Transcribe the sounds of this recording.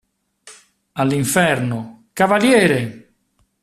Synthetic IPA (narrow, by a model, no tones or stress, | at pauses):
alːiɱfɛɾno | kavaljɛːɾe